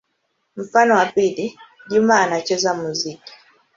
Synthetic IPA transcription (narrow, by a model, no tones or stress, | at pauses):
m̩fanɔwapiliɗumaːnat͡ʃɛzamuziki̥